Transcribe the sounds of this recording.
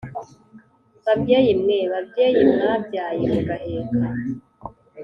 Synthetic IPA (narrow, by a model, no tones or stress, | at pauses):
βabɟejimŋeβab̚ɟeːjimŋabɟaːjemeɡaʔeka